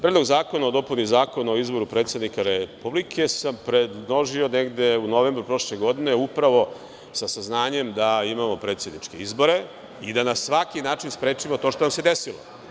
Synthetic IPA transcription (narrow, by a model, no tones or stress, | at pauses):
pɾed̪loɡzaːko̞naod̪o̞punizaːko̞naoizbo̞ɾupɾet̪sed̪nikaɾepublikʰe̞sampɾed̪loʒioneɡd̪e̞unoʋeːmbɾupɾo̞ʂleɡo̞d̪ine̞upɾaʋo̞ | sasaznaːɲe̞md̪aimamo̞pɾet̪sed̪nit͡ʂke̞izbo̞ɾe̞ | id̪anasʋakinaːt͡ʃinspɾe̞ːt͡ʂimot̪o̞ːʃt̪onamse̞d̪esilo̰